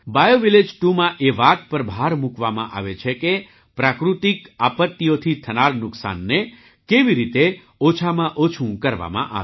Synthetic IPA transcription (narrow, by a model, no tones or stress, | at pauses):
bajoʋiled͡ʒʈumãʔeʋat̪̚pəɾbʱaɾmukʋamã̰ʔa̰ʋet͡ʃʰeke | pɾakɾut̪ikapət̪ːijot̪ʰit̪ʰənaɾnʊksa̰nːe | keʋiɾit̪e | ot͡ʃʰamãʔot͡ʃʰũkəɾʋa̰mã̰ʔa̰ʋ